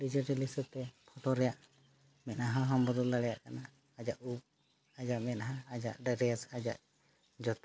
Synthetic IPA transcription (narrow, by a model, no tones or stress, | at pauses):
ɖid͡ʒəʈilisət̪ɛpʰɔʈɔɾɛjaʔ | mɛʔaɦãɦɔmbɔd̪ɔlaɽɛjaʔkanaː | d͡ʒaʔup̚ | ad͡ʒaʔmɛʔaɦãːd͡ʒaʔɖɛɾɛsad͡ʒa̰ʔ | d͡ʒɔt̪